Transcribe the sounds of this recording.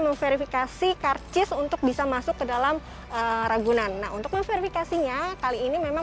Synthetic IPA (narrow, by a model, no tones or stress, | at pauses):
məŋfeɾifikasikart͡ʃɪsunt̪ʊk̚bisamasʊkːədalam | əɾaɡunanːa̰ɦunt̪ʊk̚məŋfeɾifikasiɲakaliːnimema